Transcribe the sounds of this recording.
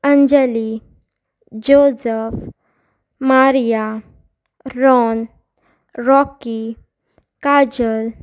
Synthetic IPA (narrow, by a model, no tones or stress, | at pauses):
əɲd͡ʑɛli | d͡ʑosəf | maɾija | ɾɔn | ɾɔki | kad͡ʑəl